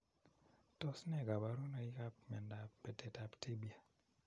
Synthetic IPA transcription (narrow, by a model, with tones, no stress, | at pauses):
tɔ˦snɛ˦˨ɡa˨ba˨ɾo˦no˨i˦ka˦pmɛ˨nda˨pe˨te˨ta˨pti˦bi˨a˨